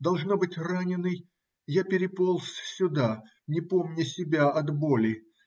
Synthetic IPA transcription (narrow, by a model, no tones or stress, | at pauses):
d̪ɐlˠʐnobɨtʲranʲɪnːɨj | japʲɪɾʲɪpolˠsʲsʲʊd̪a | nʲɪpo̞mnʲəsʲɪbʲaɐd̪bolʲɪ